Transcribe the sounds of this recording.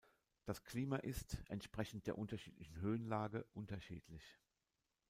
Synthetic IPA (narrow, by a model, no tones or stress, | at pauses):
d̥askliːmaʔɪstʔɛntʃpʁ̥ɛçn̩t̚d̥eːɐʔʊntɐʃḭːtlɪçn̩ɦøːənlaːɡəʔʊntɐʃḭːtʰlɪç